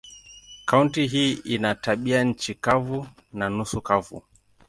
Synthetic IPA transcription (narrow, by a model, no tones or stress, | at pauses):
kauntiɦiːinataɓiaɲ̩t͡ʃikavu | nanusukavṵ